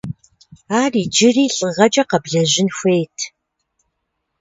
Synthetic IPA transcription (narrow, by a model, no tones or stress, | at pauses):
aːriːd͡ʒɪriːɬʼɨʁɐd͡ʒʼɐqɐbɮɐʑɪnxʷejtʰ